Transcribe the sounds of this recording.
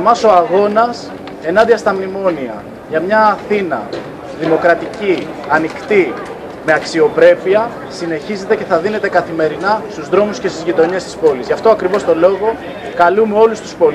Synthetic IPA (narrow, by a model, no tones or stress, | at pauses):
mɐso̞ɐɣo̞nɐs | e̞nɐnd̪iɐst̪ɐmnimo̞niɐ̰ | ʝɐmɲɐːθinɐ̰ | ðimo̞kɾɐt̪ici | ɐnikt̪i | me̞ɐksio̞pɾe̞piɐ | sine̞çize̞t̪e̞ce̞θɐðine̞t̪e̞kɐθime̞ɾinɐst̪uzðɾo̞muscest̪izʝit̪o̞ɲe̞st̪ispo̞lizʝɐft̪oɐkɾivo̞st̪o̞lo̞ɣo̞ | kɐlumeo̞lust̪u̥spo̞l